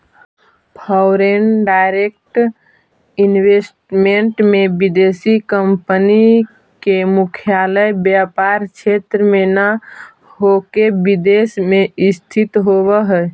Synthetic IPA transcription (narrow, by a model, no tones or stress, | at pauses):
pʰəʊɾenɖaːɪɾek̚ʈ | ɪnwesʈmeɳʈmẽbid̪eːsikəmpəni | kemʊkʰijaːləjbjapaɾkt͡ʃʰet̪ɾəmenə | ɦokebid̪eːsmẽɪst̪ʰɪt̪ɦobəɦɛ